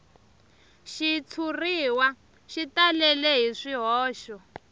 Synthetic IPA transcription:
ʃit͡sʰuriːwa | ʃitalɛlɛɦiʂiɦɔːʃɔ

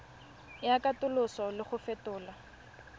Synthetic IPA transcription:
jakatʊlʊsɔlɪχʊfɛtʊːla

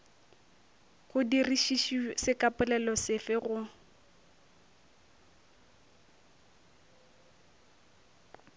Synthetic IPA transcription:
ɣʊdiriʃiʃisɪkapʊlɛlɔsɪfɪɣʊ

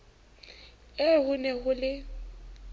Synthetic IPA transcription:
ɛɦʊnɛɦʊlɪ

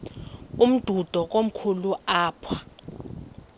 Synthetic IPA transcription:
um̩d̥ʱud̥ʱɔk̬ʼom̩kʰuluaːpʰwa

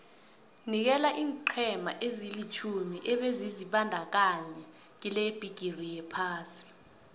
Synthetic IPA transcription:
nik̬ɛlaʔiːŋǃʰɛmaʔezilit͡ʃʰumiʔɛɓeziziɓandʱak̬aɲɛ | k̬ileb̥ʱiɡ̥ʱirijɛpʰaːsi̥

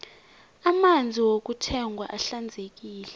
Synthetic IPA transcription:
amand͡zʱiwok̬utʰɛŋɡʱwa̰ʔaɬand͡zʱek̬iːlɛ

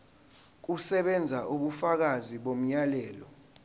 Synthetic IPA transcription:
k̬usɛɓɛnd͡zʱaʔuɓufak̬aziɓom̩ɲjalɛːlɔ

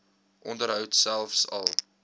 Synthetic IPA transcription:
ʔɔndəɾɦœwtsælˠfsɐ̰lˠ

